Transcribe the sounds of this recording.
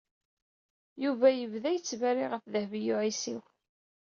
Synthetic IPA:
juvæjəvðæjət͡sːvæɾiʁəfðəhvijʊʕisiw

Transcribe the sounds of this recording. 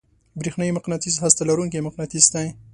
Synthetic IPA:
bɾixnajimaqnat̪izɦast̪alaɾuŋkemaqnat̪izt̪a

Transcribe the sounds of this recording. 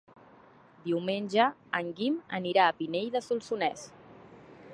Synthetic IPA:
d̪iuwmenʲʒəəŋɡiməniɾaːpinejðəsulˠsunɛs

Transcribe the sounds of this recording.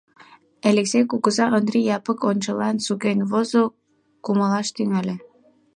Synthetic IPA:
eleksejkuɣəzɑʔənd̪ɾijɑpəkonʲt͡ɕəlɑnsukenʲβozo | kuməlɑʃt̪yŋælʲe

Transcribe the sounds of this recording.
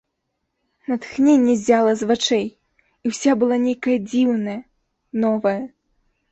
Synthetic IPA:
nɐt̪xnʲenʲːɛzʲalˠɐzvat͡ʂɛj | iwsʲabɨlˠanʲejkɐjɐd͡zʲiwnɐjɐ | nɔvɐjɐ

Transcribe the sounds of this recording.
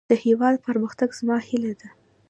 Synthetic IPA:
d̪̥əhewɑd̪pəɾməxt̪aɡz̥mɑhilad̪a

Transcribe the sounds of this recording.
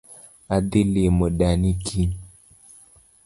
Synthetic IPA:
ad̪ilemoɗanikʰi

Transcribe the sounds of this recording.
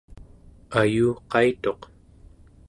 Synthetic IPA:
ajuːqɑit̪o̞q

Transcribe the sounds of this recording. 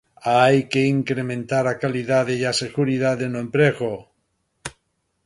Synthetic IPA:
aajkeiŋkɾemẽnt̪aɾakaliðaðejaseɣuɾiðaðenoẽmpɾeɣo

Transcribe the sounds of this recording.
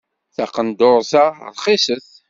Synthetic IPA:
θæqənd̪ʊɾˤθa̰ɾˤχisəθ

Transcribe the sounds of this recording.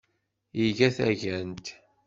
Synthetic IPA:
jiʝæθæʝænt̪

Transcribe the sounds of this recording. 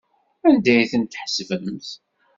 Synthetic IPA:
ænd̪æjθənt̪ːħəsvəθ

